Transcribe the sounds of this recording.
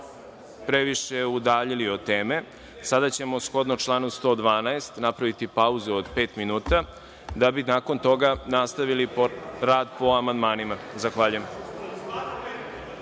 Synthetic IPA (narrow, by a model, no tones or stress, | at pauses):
pɾe̞ʋiʃeud̪aːʎiliot̪eːme̞ | sad̪at͡ɕe̞mosxo̞d̪not͡ʃlˠaːnust̪o̞ːd̪ʋaːnaest̪napɾaʋit̪ipauzuod̪pe̞ːt̪minuːt̪a | d̪abinaːko̞nt̪o̞ɡanast̪aʋilipɾaːd̪po̞amand̪maːnimazaxʋaːʎujem